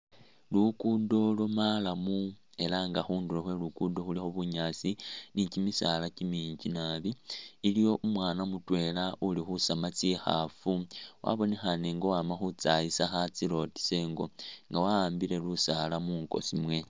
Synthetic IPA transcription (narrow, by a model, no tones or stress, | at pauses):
lukudo̞lomalamu | e̞laŋɡaxuːndulexwe̞lukudo̞xulixoβuɲaːt͡sinicimisalacimiːɲɟinaβiːlijo̞ʔumwaːnamutwe̞ːlaʔulixusamat͡sixa̰fuwʔa̰βo̞nexaneŋɡo̞waːmaxut͡sajisaxat͡silo̞ti̥se̞ːŋɡo̞ŋɡawaaːmbile̞lusalamuːŋko̞̰simwe̞